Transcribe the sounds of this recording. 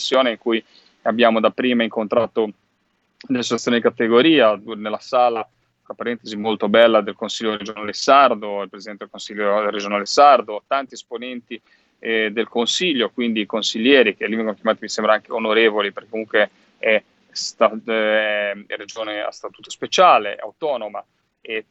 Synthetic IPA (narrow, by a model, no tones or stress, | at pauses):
isːjoːneiŋkuj | abjaːmod̪apːɾiːmaiŋkont̪ɾaːt̪o | d̪elːesot͡ʃat̪sːjoːnid̪ikat̪eɡoɾiːanelːasaːla | apːaɾɛnt̪ezimolt̪obɛlːad̪elkonsiʎːoɾed͡ʒonaːlesard̪oilpɾezid̪ɛnt̪ed̪ekõnsilːored͡ʒonaːlesard̪ot̪ant̪iesponɛnt̪i | d̪elkonsiʎːokwind̪ikonsiʎːɛːɾikelːivɛŋɡonokjamaːt̪imisɛmbɾaaŋkeonoɾeːvolipeɾrkekːomuŋkwe | ɛ | st̪a | red͡ʒoːnea̰st̪at̪uːt̪o̥spet͡ʃaːlea̰wt̪ɔːnoma | e